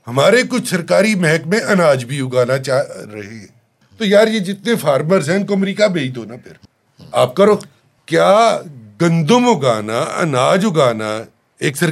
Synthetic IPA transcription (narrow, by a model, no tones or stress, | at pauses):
hɐmaːɾekʊt͡ʃʰsɐɾkaːɾimɛɦɛkmẽʔɐnaːd͡ʒbʱiʊɡaːnat͡ʃaːɾɐɦẽ | t̪ojaːɾjed͡ʒɪt̪nefʰaːɾməɾzɦɛ̃ʊnkoɐmɾiːkabẽːid̪ʱoːnapʰɪɾ | aːp̚kɐɾoː | kjaːɡɐ̃nd̪ʊmoɡaːna̰ʔɐ̰naːd͡ʒʊɡaːna̰ | eːksɐ